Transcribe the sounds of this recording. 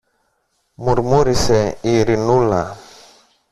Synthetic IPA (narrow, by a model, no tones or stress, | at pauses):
muɾmuɾisɛiɾinula